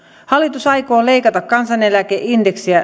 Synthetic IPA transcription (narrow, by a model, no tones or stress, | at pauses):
hɑlːˑit̪usɑjko̞ːle̞ikɑt̪ɑkkɑnsɑne̞lækeʔindeksiæ